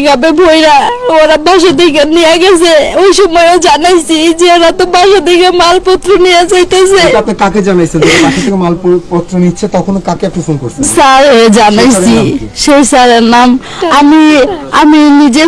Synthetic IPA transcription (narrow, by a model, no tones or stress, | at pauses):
ɡabebʱojɾaoɾabʱaʃ̬ad̪ʱikenijaɡɛt͡ɕʰeojʃɔmɔjod͡ʑanajsʰid͡ʑeaɾat̪obaʃad̪ʱikemalpɔt̪ɾonijat͡ɕajt̪et͡ɕʰeap̚naɾkaked͡ʑanajsʰeneabaʃot̪ʰːekemalppɔt̪ːɾonitːɕʰet̪ɔkʰonokakeɛk̚ʈaʃonkoɾʰisaɾɦed͡ʑanajʰiʃejsaɾeɾnam | amiaminid͡ʑe